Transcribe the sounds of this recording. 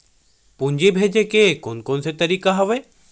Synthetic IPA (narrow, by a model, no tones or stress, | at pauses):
pʊ̃ɲd͡ʑebʱeːd͡ʒekekonkoːnset̪ɐɾiːkaɦɐʋe